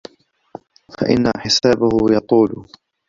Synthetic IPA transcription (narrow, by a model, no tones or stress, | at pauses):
faʔɪ̰nːaħɪsaːbʊhʊjɑt̪ˤuːlʊ